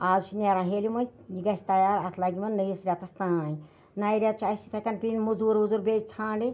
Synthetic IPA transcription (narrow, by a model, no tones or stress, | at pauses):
aːzʃneːɾãːɦeːlimɐnʲjiɡɐsʲt̪ɐjaːɾɐt̪ʰlaɡʲimɐnːəjisɾʲat̪ɐst̪ãːn | naːjiɾʲat̪̚t͡ʃʰuɐsit̪ʰɐkʲɐnpʲinmuzuːɾuzuɾbeːd͡ʒʲt͡sʰãːɳɖi